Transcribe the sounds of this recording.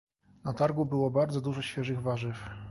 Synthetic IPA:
nat̪aɾɡubɘwɔbaɾd̪zɔd̪uʐɔɕfʲjɛʐɘɣvaʐɘf

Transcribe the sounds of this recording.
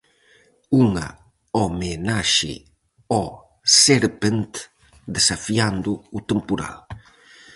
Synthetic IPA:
uŋɐ̰ | ɔmenaʃɪ̰ | ɔ | seɾpent̪ | d̪esafiand̪ʊut̪empuɾa̰l

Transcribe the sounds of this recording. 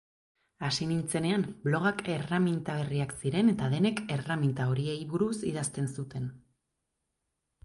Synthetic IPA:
asinint͡se̞ne̞amblo̞ɣ̞ake̞ramint̪aβ̞e̞riaksiɾe̞ne̞t̪aðe̞ne̞ke̞ramint̪ao̞ɾie̞jβuɾusiðast̪e̞nsut̪e̞n

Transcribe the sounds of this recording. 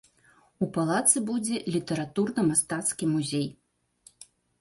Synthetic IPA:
upalˠat̪sɨbud͡zʲɛlʲit̪ɐɾat̪urnɐmast̪at̪skʲimuzʲej

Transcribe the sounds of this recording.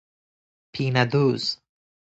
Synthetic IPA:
pʰiːnad̪uːz̥

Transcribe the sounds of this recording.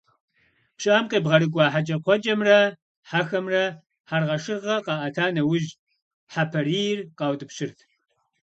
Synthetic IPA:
pɕʼaːmqeːbʁɐɾɨkʷʼɑːħat͡ʃʼɐqʷʰɔt͡ʃʼɐmrɐ | ħaxɐmrɐ | ħarʁɐʂɨrʁɐqɑːʔɐtʰaːnɐwʊʒ | ħapʰɐriːjɪrqɑːwtʼɨpɕɪrtʰ

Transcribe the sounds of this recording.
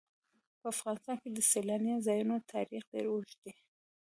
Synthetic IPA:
pəafɣɑnɪst̪ɑnked̪əselɑnjazɑjunot̪ʰɑ̰ɾixd̪ḛɾuʃd̪e

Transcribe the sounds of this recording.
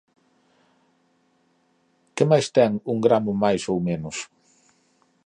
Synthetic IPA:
kɪmajst̪ɛŋuŋɡɾamʊmajsowmẽnʊs

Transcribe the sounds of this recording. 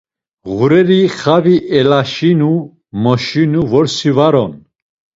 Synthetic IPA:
ɣuɾɛɾiχaviʔɛlaʃinu | mɔʃinuvɔɾsivaɾɔn

